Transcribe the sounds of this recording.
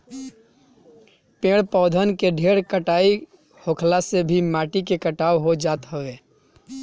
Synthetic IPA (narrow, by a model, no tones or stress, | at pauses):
pẽːɽpɔːd̪ʱənkeɖʱeːɽkəʈaːi | hokʰlasebʱimaːʈikekəʈaːwɦod͡ʒaːt̪ɦəʋeː